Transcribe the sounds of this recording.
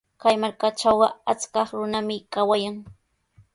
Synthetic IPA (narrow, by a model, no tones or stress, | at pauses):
kajmaɾkaʈ͡ʂawɢɑat͡skɑχɾʊnamɪkawajaŋ